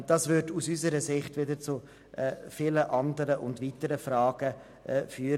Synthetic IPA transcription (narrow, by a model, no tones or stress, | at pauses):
d̥ɑːsvʏɾdusysəɾəsɪχtvʋɪdəɾt͡sʊ | ʔɛfiləʔɑndəɾəʔʊndviːtəɾəfrɑːɡ̥ə | ɛfyːɾ